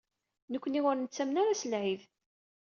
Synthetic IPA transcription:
nəkʷːʊniʁʊɾnət͡sːæmnaɾasəlʕið

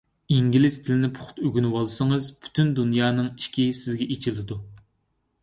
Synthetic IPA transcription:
iŋɡʲilɪst̪ʰɪlɪnɪpʰʊ̥χʊ̥t̪øɡʲynwɑlˠɨsɨŋɨzpʰy̥t̪ʰynd̪unjɑːnɨŋi̥ʃkʲisɪzɡʲɛʔet͡ʃʰilɪd̪u

